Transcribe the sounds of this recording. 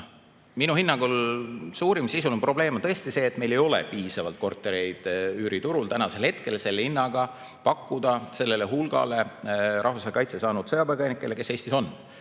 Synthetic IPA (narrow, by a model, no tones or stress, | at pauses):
minuhinːɑɡulsuːɾimsisulompro̞b̥le̞ːmt̪ɤ̞est̪ise̞ːt̪me̞jle̞jo̞lḛpiːsɑvɑ̰lt̪̚ko̞rt̪ːˑe̞ɾejd̪̥yːɾit̪uɾult̪ænɑse̞lhe̞t̪ke̞lselːhinːɑɡ̥ɑ | pɑkːud̪̥ɑse̞lːe̞le̞ɦulɡ̥ɑ̰le̞ʔɑhvɑsɑjɑkɑjt̪sesɑːnud̪̥sɤjɑpɑjɡɑjnikːˑele̞ke̞se̞ːsʲt̪iso̞n